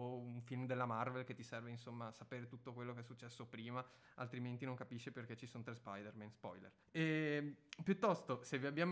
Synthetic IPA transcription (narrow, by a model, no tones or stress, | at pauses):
ouɱfilmd̪elːamarvelket̪ːisɛrveinsomːaːsːapeːɾet̪ut̪ːokwelːokeɛsːut͡ʃːɛsːopɾiːma | alt̪ɾiment̪inoŋkapiʃːeperk̟et͡ʃːisont̪ɾespajd̪ermɛnspɔ̰jlḛr | ɛ | pjut̪ːɔst̪oseviabːjaːm